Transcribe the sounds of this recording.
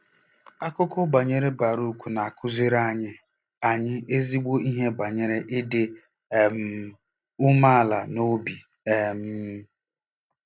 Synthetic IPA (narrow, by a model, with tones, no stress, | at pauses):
a˦kʊ˦kʊ˦ba˨ɲe˦ɾe˦ba˨ɾu˦˨kʷu˨na˨a˨kʰʊ˦zi˦ɾa˦ɲɪ˦ | a˨ɲɪ˦e˦zi˦ɡ͡bo˦i˦ɦe˦ba˨ɲe˦ɾe˦ʔɪ˦dɪ˦ | e˨m̩˦ | ʊ˦ma˦˨la˨no˦bi˨ | e˦m̩˦